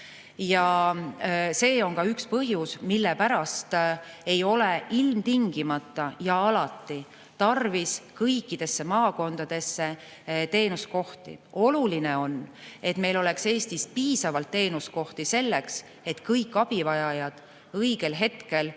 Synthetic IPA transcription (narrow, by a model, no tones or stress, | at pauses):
jɑ | se̞ːo̞ŋkɑykspɤɦjusmilːepæɾɑst̪e̞jo̞le̞ilmt̪iŋɡ̥imɑt̪ˑːɑjɑɑlɑt̪ːˑi | t̪ɑrviskɤjkːˑid̪̥e̞sːe̞mɑːko̞nd̪̥ɑd̪̥e̞sːe̞ | t̪e̞ːnusko̞ht̪ḭo̞lulineo̞ne̞t̪me̞jlo̞le̞kse̞ːst̪ispiːsɑvɑlt̪ːe̞ːnusko̞ht̪ise̞lːeks | e̞t̪kɤjkːˑɑb̥ivɑjɑjɑd̪̥ | ɤjɡe̞lɦe̞t̪ke̞l